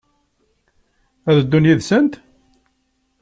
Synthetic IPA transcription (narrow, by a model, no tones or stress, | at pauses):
æðəd̪ːunjiðsənt̪